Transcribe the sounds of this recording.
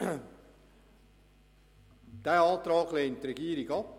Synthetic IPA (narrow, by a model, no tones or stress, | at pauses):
d̪̥æːɑːt̪ɾɑːɡleːntːrɛɡ̥iːəɾɪɡɑp̚